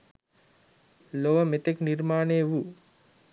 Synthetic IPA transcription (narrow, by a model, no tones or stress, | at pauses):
loʋəmet̪eknirmaːneːʋu